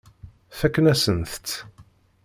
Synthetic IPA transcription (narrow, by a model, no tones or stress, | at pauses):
θækːnæsənθt̪ː